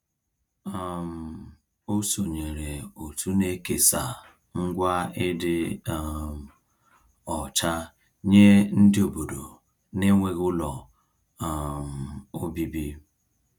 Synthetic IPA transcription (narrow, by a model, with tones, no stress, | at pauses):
a˨m̩˨ | o˦so˨ɲe˨ɾe˨o˨tu˦ne˦ke˨sa˨ | ŋ̩˦ɡʷa˦ɪ˦dɪ˦˨ | m˨ | ɔ˨t͡ʃa˦ | ɲe˦n̩˦dɪ˦o˨bo˨do˨ | ne˦ŋʷe˦ɣʊ˦lɔ˨ | m̩˨o˦bi˦bi˦